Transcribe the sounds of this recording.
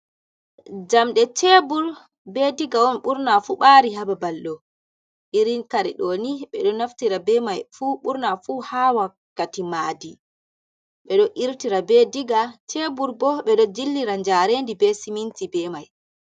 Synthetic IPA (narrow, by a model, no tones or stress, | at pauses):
d͡ʒamɗɛt͡ʃɛbuɾ | bɛdiɡaɔnɓuɾnafuɓaɾiɦababalɗɔ | iɾinkaɾiɗɔniɓɛɗɔnaftiɾabɛmajfuɓuɾnafuhawakːatimadi | ɓɛɗɔʔiɾtiɾabɛdiɡat͡ʃɛbuɾbɔɓɛɗɔd͡ʒilːiɾand͡ʒaɾendibɛsimintibɛmaj